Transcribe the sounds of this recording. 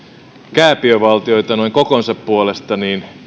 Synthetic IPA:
kæːpiøʋɑlt̪ioit̪ɑnoiŋkokonsɑppuolest̪ɑniːn

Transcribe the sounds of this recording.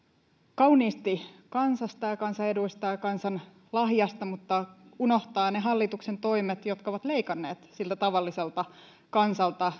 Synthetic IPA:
kɑuniːst̪ikɑnsɑst̪ɑjɑkɑnsɑeduist̪ɑjɑkɑnsɑn | lɑɦjɑst̪ɑmut̪ːɑuno̞ht̪ɑːneɦɑlːit̪uksent̪o̞imet̪jo̞t̪kɑoʋɑt̪le̞ikɑnːe̞ːt̪silt̪æt̪ɑʋɑlːiselt̪ɑ | kɑnsɑlt̪ɑ

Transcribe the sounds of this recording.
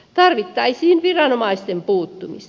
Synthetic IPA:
t̪ɑrʋit̪ːɑisiːnʋirɑnomɑist̪empuːt̪ːumḭs

